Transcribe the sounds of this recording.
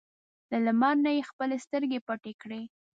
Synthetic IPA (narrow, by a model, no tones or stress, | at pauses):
ləlamɑɾnajexpəlest̪əɾɡepaʈekɽe